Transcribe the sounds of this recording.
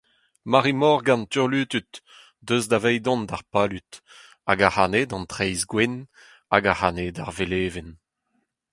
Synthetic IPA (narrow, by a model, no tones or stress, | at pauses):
maʁimɔʁɡãnt̪yʁlyːt̪yt̪ | døzdavɛjd̪ɔ̃nd̪aʁpaːlyt̪ | a̰ɡahaːned̪ɑ̃ntχɛjzɡwɛn | a̰ɡahaːnedaʁveleːven